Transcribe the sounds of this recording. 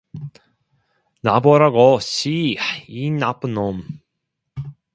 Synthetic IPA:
naboɾaɡoɕiinapnom

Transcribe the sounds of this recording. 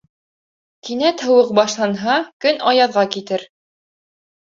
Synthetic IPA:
kinæt̪hɤ̆wɤq̚bɑʃlˠɑnɦɑkɵnɑjɑðʁɑkit̪ɘɾ

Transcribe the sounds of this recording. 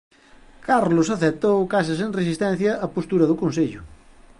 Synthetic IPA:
kaɾlʊsɐθet̪owkas̬ɐseŋresist̪ɛn̟θjɐɐpost̪uɾɐðʊkõnseʎʊ

